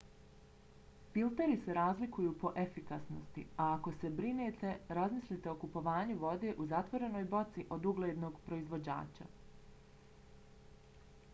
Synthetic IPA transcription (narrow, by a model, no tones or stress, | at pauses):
filt̪eɾise̞ɾaːzlikujuːpo̞ʔe̞fikasnost̪iaːko̞se̞bɾineːt̪e̞ɾazmislit̪e̞okupo̞ʋaːɲuʋo̞d̪e̞ːʔuzat̪ʋo̞ɾe̞no̞jbo̞t̪siʔo̞d̪uɡlˠed̪no̞ːɡpɾo̞izʋo̞d͡ʑa̰ːt͡ɕa̰